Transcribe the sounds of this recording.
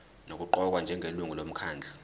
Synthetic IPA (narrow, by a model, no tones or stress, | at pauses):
nok̬uǃɔk̬wand͡ʒʱɛŋʱeluŋulom̩kʰaːnd͡ɮʱa